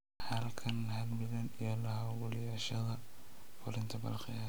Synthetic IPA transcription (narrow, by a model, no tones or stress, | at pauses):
ħɐlkʰɐnɦɐlmɪðɐnijɔlɐɦɐwʊljaːʃɐðɐ | fʊɾɪnt̪ʰɐbɐ̰lχɪja